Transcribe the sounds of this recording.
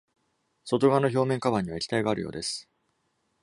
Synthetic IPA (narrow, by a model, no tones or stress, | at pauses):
so̞t̪o̞ɡanoço̞ːmeŋkaβãɲ̟ːiβaekʲi̥t̪aiɡaːɾɯ̟̰jo̞̰ːd̪e̞sɨ̥